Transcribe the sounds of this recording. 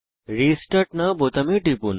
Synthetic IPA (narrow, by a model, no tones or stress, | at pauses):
ɾisʈɐʈnabot̪ɐmeʈipun